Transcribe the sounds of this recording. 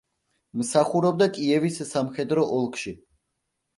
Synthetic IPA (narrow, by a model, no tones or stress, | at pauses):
msaχuɾɔb̚d̪akʼiɛvisːamχɛd̪ɾɔʔɔlˠkʰʃi